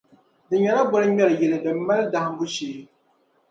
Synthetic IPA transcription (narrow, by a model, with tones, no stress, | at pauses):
dɨ˨ɲɛ˨na˦bɔ˦ɾɨ˦ɲɛ˦lɨ˨jɛ˨lɨ˨dɨ˨mː˦a˦lda˨hm̩˦bʊ˦ʃeː˦